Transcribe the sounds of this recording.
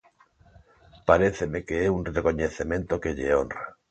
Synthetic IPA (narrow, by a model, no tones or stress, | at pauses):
paɾeθemekeeunrekoɲeθemẽnt̪okeʎeo̰nra